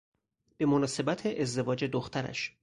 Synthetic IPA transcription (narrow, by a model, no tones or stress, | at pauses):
b̥e̞monɒːse̞bæt̪ʰeʔezd̪e̞vɒːd͡ʒe̞d̪oxt̪ʰæɾæ̰ʃ